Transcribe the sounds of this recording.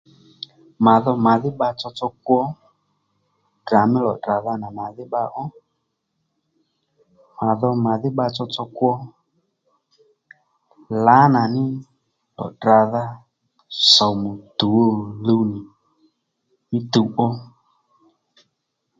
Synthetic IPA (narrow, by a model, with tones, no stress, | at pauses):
ma˨ðɔ˧ma˨ðɪ˦ɓa˧t͡sɔ˧t͡sɔ˧k̚wɔ˦ | dra˨mɪ˦lɔ˨dra˨ða˧na˨ma˨ðɪ˦ɓa˧˦ʔɔ˦ | ma˨ðɔ˧ma˨ðɪ˦ɓa˧t͡sɔ˧t͡sɔ˧kwɔ˦ | la˨˦na˨nɪ˦ | lɔ̰˨dra˨ða˦ | sɔ˨mo˨t̪u˨wo˦˨lu˧˦nɪ˨ | nɪ˦t̪u˨ɓɔ˦